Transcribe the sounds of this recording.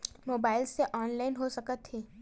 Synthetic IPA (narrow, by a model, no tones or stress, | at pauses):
moːbaːɪlseʔɔːnlaːɪnɦosɐkət̪ɦeː